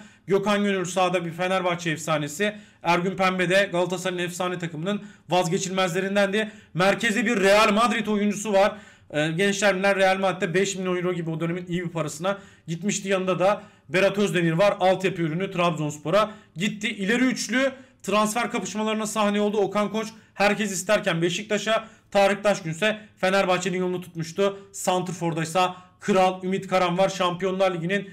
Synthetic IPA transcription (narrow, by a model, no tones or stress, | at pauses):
ɟo̞kanɟønyɾʲysaːd̪abife̞næɾvat͡ʃʰɛɛfsaːne̞si | æɾɟynpʰæmbe̞d̪ɛɡalˠɯt̪ʰasaɾɯnɛfsaːnet̪ʰakɯmɯnɯnvazɟe̞t͡ʃʰilʲmæzlʲe̞ɾind̪ænd̪imæɾcʰe̞zɛbiɾːe̞jalʲmad̪ɾit̪ʰo̞jund͡ʒusuvaɾ̥ | ɟɛnt͡ʃlʲæɾminlʲæɾɾːe̞jalʲmaɾit̪ːɛbɛʃminʲojɾoɟibio̞d̪øneminijbipʰaɾasɯna | ɟit̪miʃd̪ijanɯd̪ad̪a | be̞ɾat̪ʰøɾzd̪e̞niɾvaɾalˠt̪ʰjapyyɾynyt̪ʰɾabzo̞nspo̞ɾaɟit̪ʰːiʔilʲeɾiːt͡ʃlʲyt̪ʰɾansfæɾkʰapɯ̥ʃmalˠaɾɯnasahneo̞lˠd̪uokʰankʰo̞t͡ʃhæɾcɛs̬ist̪ʰæɾcænbeʃic̚d̪ʰaʃa | t̪ʰaːɾɯxd̪aʃɟynsɛfe̞næɾbat͡ʃʰed̪inolˠnut̪ʰu̥t̪muʃt̪ʰusant̪ɾfo̞ɾd̪ajsakʰɯɾalˠymit̪kʰaɾanvaɾʃampijo̞nlˠaɾlʲiɟinin